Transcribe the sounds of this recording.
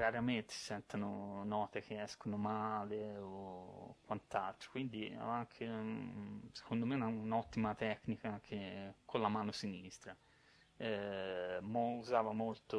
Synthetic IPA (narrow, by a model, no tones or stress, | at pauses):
raɾament̪e̥si̥sɛnt̪anonɔːt̪ek̟eɛskonomaːleokwant̪alt̪ɾo̥kwind̪iɛ̰aŋk̟ʰe | se̥kond̪omeunaunɔt̪ːimat̪ɛkːnikak̟ʰekʰolamaːnosinist̪ɾa | ɛ | mouzaːvamolt̪o